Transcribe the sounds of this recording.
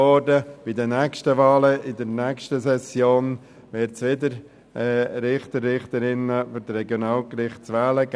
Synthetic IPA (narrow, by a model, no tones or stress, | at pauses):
ɔːdəb̥ɪdənɛkʃtəʋɑːləɪd̪əɾnɛkʃtəsɛsjoːn | ʋɪɾtsʋɪdəɾ | ɾɪχt̪əɾːɪχt̪əɾɪnəfʏɾtɾɛɡjonɑːlkɾɪχtsʋɛːləɡ